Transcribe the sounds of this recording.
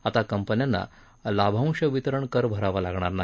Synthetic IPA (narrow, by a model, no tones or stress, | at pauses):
at̪akəmpənjanːa̰ | labʱãw̃ɕəʋit̪ɾəɳkəɾbʱəɾaʋalaɡɳ̃aɾna